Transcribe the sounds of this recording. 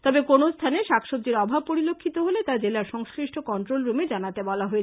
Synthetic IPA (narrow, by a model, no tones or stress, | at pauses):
t̪ɔbekonost̪ʰaneʃakʃob̚d̪iɾɔbʱab̚poɾilokʰːit̪oɦolet̪aɾd͡ʑelaɾʃɔŋskɾiʃʈʰokɔnʈɾolɾumed͡ʑanat̪ebɔlaɦoe